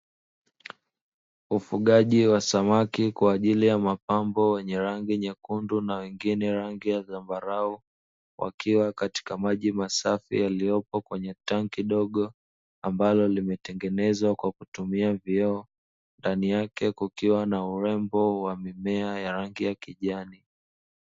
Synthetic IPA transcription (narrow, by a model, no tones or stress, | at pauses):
ufuɠaʄiwasamakikwaːʄilijamapambɔwɛɲɛɾaŋɡiɲakundunawɛŋɡinɛɾaŋɡijaðambaɾau | wʔa̰kiwakati̥kamaʄimasafḭjalijɔpɔkwɛɲɛtaŋkiɗɔɠɔ | ambalɔlimɛtɛŋɡɛnɛzwakwakutumiaviɛː | ndanijakɛkukiwanauɾɛmbɔwamimɛajaɾaŋɡijakiʄani